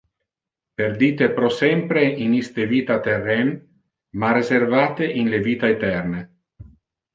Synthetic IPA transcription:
perd̪iːt̪epɾɔsɛmpɾeinist̪eviːt̪at̪erːɛn | marezervaːt̪eʔinleviːt̪aet̪ɛrne

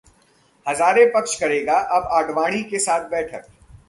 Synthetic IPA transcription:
hɐzaːɾepɐkʃkɐɾeːɡaʔɐbaːɖʋaːɽ̃ikesaːt̪̚ʰbɛːʈʰək̚

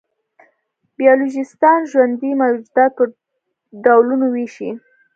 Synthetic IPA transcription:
bijɑloʒɪst̪ɑnʒwand̪imawd͡ʒd̪ɑt̪̚pə | ɖawlunoweʃi

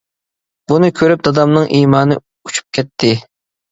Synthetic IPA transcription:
b̥unɨkʲʰøɾyp̚d̪ɑd̪ɑmnɨŋʔiːmɑːnɨ | ut͡ʃʰu̥p̚kʲʰɛt̪ʰːɪ

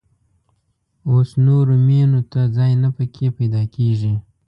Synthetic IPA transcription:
osnoɾomenot̪ad͡zɑjnapəkʰepajd̪ɑkeʐi

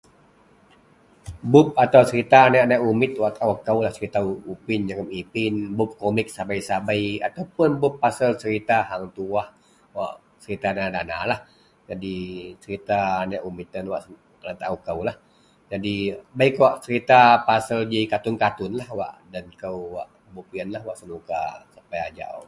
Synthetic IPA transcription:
bʊp̚at̪awt͡ʃəɾit̪anaʔnaʔumɪt̪̚waʔt̪aʔwakːawlaht͡ʃəɾit̪aupɪnd͡ʒəŋəmipɪnbʊp̚komɪk̚sabajsabajat̪awpʊnbʊpːasəlt͡ʃəɾit̪aɦaŋt̪uah | waʔ | t͡ʃəɾit̪anadana̰lah | d͡ʒadit͡ʃəɾit̪aːnaʔumit̪ənwaʔs | əlat̪aʔukəwlah | d͡ʒadibajkwaʔt͡ʃəɾit̪apasəld͡ʒikat̪ʊnkat̪ʊnlahwa̰ʔdankəwwa̰ʔ | bup̚iənlahwaʔsənukasapajad͡ʒa̰ʔʔ

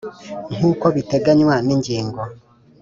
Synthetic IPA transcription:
ŋ̥uːkoβiteɡaɲwaniɲɟiːŋɡo

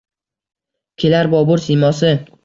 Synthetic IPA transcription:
kʲʰelaɾbɒbʊɾsimɒsɪ

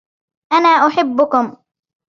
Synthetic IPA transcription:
ʔanaːʔʊħɪbːʊkʊm

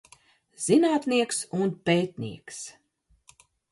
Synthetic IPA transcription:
z̥inaːt̪niɛksunpeːt̪nḭɛks

